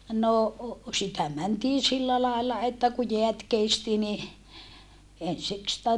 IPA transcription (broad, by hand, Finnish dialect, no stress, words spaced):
no sitæ mæntiː silːæ lɑˑelːɑ etːæ ku jeæt kesti ni ensik sĭtæ